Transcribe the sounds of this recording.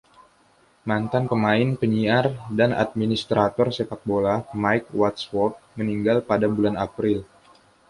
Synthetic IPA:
mant̪anpəmaɪnpəɲiardana̰t̪̚minist̪ɾʔat̪ɔrsepak̚bolamaik̚wat̪swɔt̚məniŋɡalpadabulanapɾɪl

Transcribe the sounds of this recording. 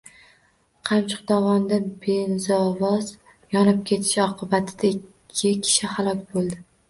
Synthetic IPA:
qʰɑmt͡ʃʰɪ̥q̚d̪ɒvɒnd̪abezɒvɒz̥ | jɒnɪp̚kʲʰe̞t̪ʰɪ̥ʃɒqʰɨbat̪ʰɪd̪aɪkʲʰːɪkʲʰɪ̥ʃɪhalˠɒkʲbolˠd̪ɪ

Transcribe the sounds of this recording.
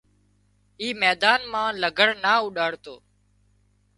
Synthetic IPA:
iːmɛːd̪aːnmãːləɡʱəɽnaːʊɗaːɽt̪oː

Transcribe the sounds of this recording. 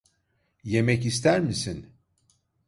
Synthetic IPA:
jemɛcis̬t̪ʰæɾmisin

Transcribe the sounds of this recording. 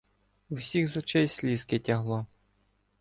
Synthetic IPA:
uwsʲiɣzɔt͡ʃɛjsʲlʲiskɪtʲɐɦlˠɔ

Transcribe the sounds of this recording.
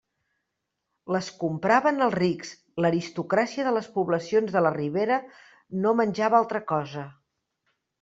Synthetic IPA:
ləskumpɾaβənəlˠriks | ləɾist̪ukɾasiəðələspuβləsionzðələriβ̞eɾə | nomənʲʒaβalˠt̪ɾəkɔzə

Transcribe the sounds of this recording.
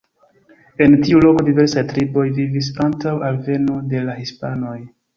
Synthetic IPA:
e̞ntiulo̞ko̞dive̞ɾsajtɾibo̞jvivis̬antawʔalve̞node̞lahispano̞j

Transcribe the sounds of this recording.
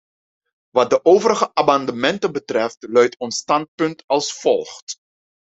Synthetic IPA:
ʋɑt̚dəʔowvəɾəɣəʔamɑndəmɛntənbətrɛftlœɥtʰɔnstɑnt̚pɵntɑlˠsfɔlˠχt

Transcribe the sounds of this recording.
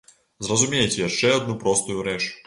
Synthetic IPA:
zrɐzumʲejt͡sʲɛjaʂt͡ʂɛɔd̪nupɾɔst̪ujuɾɛt͡ʂ

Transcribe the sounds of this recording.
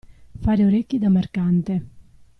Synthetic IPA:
faːɾeoɾekːid̪amerkant̪e

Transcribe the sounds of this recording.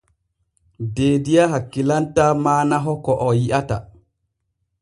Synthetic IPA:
deːdijaɦakːilantamaːnaɦɔkɔʔɔjiʔata

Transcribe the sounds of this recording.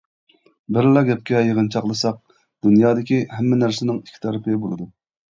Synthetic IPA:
bɪɾlˠɑɡʲɛp̚kʲɛjeʁənt͡ʃʰɑqlˠɨsɑq̚ | d̪unjɑːd̪ɪkʲihɛmːɪnæɾsɪnɪŋikʲʰːi̥t̪ʰɑɾɨpʰɪbolˠɨd̪u

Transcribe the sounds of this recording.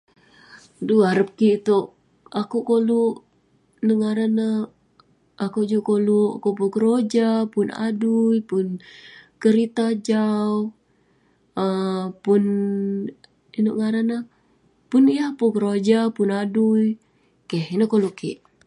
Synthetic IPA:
duaɾəp̚kiʔt̪oʔ | akuʔkoluʔ | nəŋaɾanə | akuʔd͡ʒukoluʔakupukəɾod͡ʒapuna̰dujpʊnkəɾit̪ad͡ʒau | əpun | inoʔŋaɾanə | pʊnijahpukəɾod͡ʒapunaduij | kehinəkoluʔkḭʔ

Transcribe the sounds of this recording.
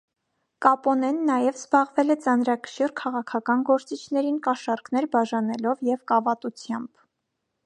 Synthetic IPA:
kɑpɔnɛnːɑjɛvzbɑʁvɛlɛt͡sɑn̪ɾɑkʰə̥ʃirkʰɑʁɑkʰɑkɑnɡɔɾt͡sit͡ʃʰnɛɾinkɑʃɑɾkn̪ɛɾbɑʒɑnɛlɔvjɛvkɑvɑt̪ut͡sʰjɑmb̥

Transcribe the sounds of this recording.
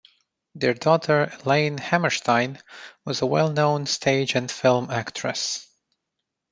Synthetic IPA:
ðə˞dɔtʰə˞lẽɪ̃nhæmə˞ʃtʰãɪ̃nwʌzəwɛlˠnõʊ̃nstʰeɪd͡ʒɨ̃nfɪlˠmæktʰɹ̥ɨ̰s

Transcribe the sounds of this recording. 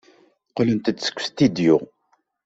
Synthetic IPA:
qlənt̪əd̪sə̥kʷːst̪id̪ju

